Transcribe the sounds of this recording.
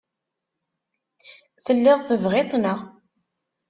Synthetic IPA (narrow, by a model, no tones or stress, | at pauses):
θəlːɪðˤθəvʁet̪ˤnəʁ